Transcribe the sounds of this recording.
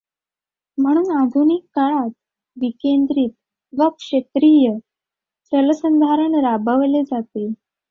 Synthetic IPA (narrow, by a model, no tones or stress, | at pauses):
m̤əɽ̃uːnad̪ʱunikːaɭat̪̚ | ʋikend̪ɾit̪̚ | ʋəkʂet̪ɾijə | sələsənd̪ʱaɾəɳɾabʱəʋled͡zat̪e